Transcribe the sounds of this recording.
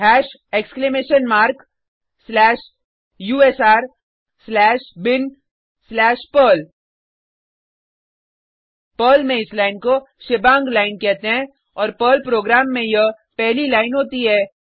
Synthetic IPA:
ɦɛːʃ | eːkskleːmeːʃənmaːɾk | slɛːʃ | juːeːsaːɾ | slɛːʃbɪn | slɛːʃpəːl | pəːlmẽɪslaːɪnko | ʃɪbãːŋɡlaːɪnkɛɦt̪eɦɛ̃ | ɔːɾpəːlpɾoːɡɾaːmːẽjə | pɛɦlilaːɪnɦoːt̪iɦɛː

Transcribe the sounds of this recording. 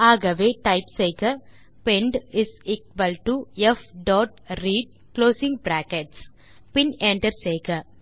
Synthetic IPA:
aːɡɐʋeːʈaɪpsekɐ | pẽɳɖɪsiːkʋɐlʈuefɖɔːʈ̚ɾiːɖ̚ | kloːsɪ̃ŋɡpɾæːkeʈs | pɪ̃nẽɳʈəɾseːkɐ

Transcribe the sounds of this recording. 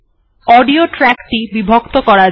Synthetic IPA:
ɔɖioʈɾɛkʈibibʱokt̪okɔɾa

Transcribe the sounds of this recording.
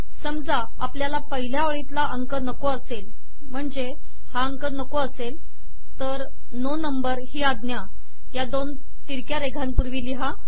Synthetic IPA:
səmd͡za | apljalapəɦiljaʋəɭit̪laʔəŋkənəkoəsel | m̤əɳd͡ze | haəŋkənəkoəsel | t̪əɾ | nonəmbəɾɦiːad̪nja | jad̪on | t̪iɾkjaɾeɡʱanpuɾʋiliɦa

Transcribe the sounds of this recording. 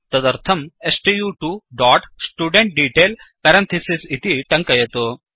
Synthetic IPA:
t̪ɐd̪ɐɾt̪ʰɐmesʈijuʈuɖɔːʈsʈuːɖeɳʈ̚ɖiːʈeːlpɐɾɐ̃nt̪ʰisisit̪iʈɐ̃ŋkɐjɐt̪oː

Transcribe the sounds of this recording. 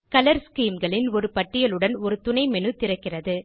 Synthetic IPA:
kɐlɐɾskiːmɡɐɭɪnɔɾɯpɐʈːɪjɐlɯɽɐnɔɾɯt̪ʊɳɐɪmɛnɯt̪ːɪrɐkːɪrɐðɯ

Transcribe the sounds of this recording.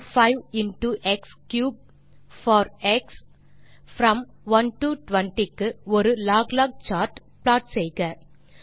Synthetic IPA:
faɪʋɪnʈuʔɛkskjuːb̚ | fɔːɾɛks | fɾɐ̃m | ʋɐnʈuʈʋɐɳʈikːɯɔɾɯlaːɡlaːɡ̚t͡ʃaːʈ | plaːʈsɛjɣɐ

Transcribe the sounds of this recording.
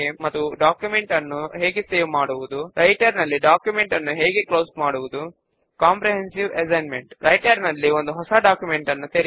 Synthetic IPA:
emɐt̪ːuɖaːkjumeɳʈɐnːuɦeːɡeseːʋmaːɽuʋud̪uɾʔɐjʈɐɾnɐlːiɖaːkjumeɳʈɐnːuɦeːɡeklo̞ːsmaːɽuʋud̪u | kaːmpɾeɦensiʋesɐjnmeɳʈɾʔɐjʈɐɾnɐlːio̞nd̪uɦɔsɐɖaːkjume̞ɳʈɐnːut̪eɾi

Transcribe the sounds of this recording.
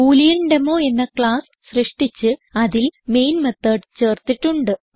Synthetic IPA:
uːlijɐnɖɐmoːe̞nːɐkɭaːs | srɨʂʈit͡ɕːɨɐðilme̞jnmet̪ːɐːɖt͡ɕe̞ːrt̪ːiʈːuɳɖɨ

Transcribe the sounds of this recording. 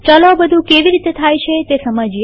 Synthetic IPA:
t͡ʃəlabəd̪ʱũkeʋiɾit̪et̪ʰajt͡ʃʰet̪esəməd͡ʒi

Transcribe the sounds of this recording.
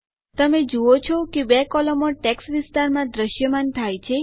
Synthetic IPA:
t̪əmed͡ʒuot͡ʃʰɔkebɛkɔlɔmoʈɛksʋɪst̪aɾmãd̪ɾəʃjəmant̪ʰajt͡ʃʰe

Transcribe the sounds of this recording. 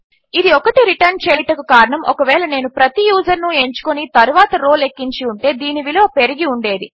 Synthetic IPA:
id̪iɔkɐʈiɾiʈɐɾnt͡ʃeːʈɐkukaːɾɐɳɐmʔɔ̰kɐʋɛːɭɐne̞ːnupɾɐt̪ijuːd͡ʒɐɾnue̞ɲt͡ʃu̥konit̪ɐɾuʋaːt̪ɐɾo̞ːle̞kːiɲt͡ʃiuɳʈe̞ːd̪iːniʋilo̞ːpe̞ɾiɡiuɳɖe̞ːd̪i

